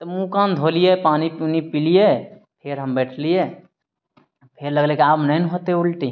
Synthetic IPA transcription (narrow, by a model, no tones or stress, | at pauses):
t̪ɔmũkãnd̪ʱolijepaːniunipilije | pʰeɾɦəmbɛːʈʰlije | pʰeɾləɡlekeaːpmnənɦot̪eʊlʈi